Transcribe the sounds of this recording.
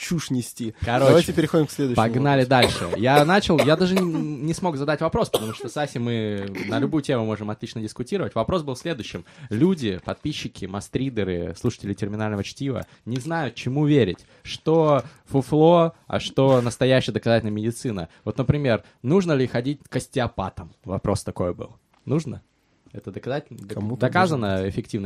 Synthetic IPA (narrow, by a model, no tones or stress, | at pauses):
t͡ɕuʂnʲɪsʲtʲikɐɾoɐvajtʲɪpʲɪɾʲɪxodʲɪmksʲlʲed̪ʊpɐɡnalʲɪd̪alʲʂɨ̰janat͡ɕɪlˠjad̪aʐɨnʲɪsmo̞kzɐd̪atʲvɐpɾo̞spə̥t̪ɐmuʂt̪osasʲɪmɨnəlʲʊbujʊtʲe̞mʊmo̞ʐɨmɐt̪lʲit͡ɕnədʲɪskʊtʲiɾəvətʲvɐpɾo̞sbɨlˠsʲlʲe̞d̪ʊjɕːɪmlʲudʲɪpɐt̪̚pʲiɕːɪkʲɪmɐst̪ɾʲid̪ʲəɾɨ̰slˠuʂə̥tʲɪlʲɪtʲɪrmʲɪnalʲnəvət͡ɕtʲivə̰ | nʲɪznajʊt̪̚t͡ɕɪmuvʲeɾʲɪtʲ | ʂt̪o̞ | fʊflˠoɐ̰ʂt̪o̞nəst̪ɐjæɕːɪjəd̪əkɐzatʲɪlʲnəmʲɪdʲɪt̪sɨnəvo̞t̪nəpɾʲɪmʲe̞r | nuʐnəlʲɪxɐdʲitʲkəsʲtʲɪɐpa̰t̪əmvɐpɾʔo̞st̪ɐko̞jəbɨ̰lˠ | nuʐnə | ɛt̪əd̪əkɐzatʲɪlnd̪ɐkazənəɪfʲɪk̚tʲivnə